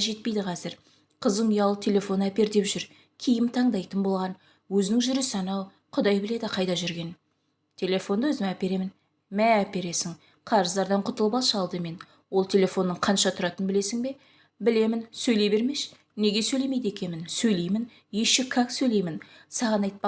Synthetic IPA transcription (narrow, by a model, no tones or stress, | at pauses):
ʒe̞t̪̚pe̞jd̪ɪqʰɑzɪɾ | qʰəzəɴʊjɑlˠət̪ʰe̞lʲe̞fo̞næpe̞ɾd̪e̞pʒʏɾ | kʲʰijɪmt̪ʰɑɴd̪ɑjt̪ənbo̞lˠʁɑn | wɵzɪnɪŋʒʏɾɪsɑnɑw | qʰʊd̪ɑjbɪle̞d̪ɪqʰɑjd̪ɑʒʏɾɡʲe̞n | t̪ʲʰe̞lʲe̞fo̞nd̪əwɵzɪmæpe̞ɾe̞mɪn | mæːpe̞ɾe̞sɪŋ | qʰɑɾəzd̪ɑɾd̪ɑɴqʰʊt̪əlˠbɑlˠʃɑlˠd̪əme̞n | wo̞lˠt̪ʰe̞le̞fo̞nːəɴqʰɑnʃɑt̪ʰʊɾɑt̪ənbɪle̞sɪŋbe̞ | bɪle̞mɪnsɵjle̞jbe̞ɾme̞ʃ | ne̞ɡʲe̞sɵjle̞mejd̪e̞kʲenmɪnsɵjle̞jmɪn | je̞ʃɪkʰɑksɵjle̞jmɪnsɑʁɑnɑjt̪̚pɑ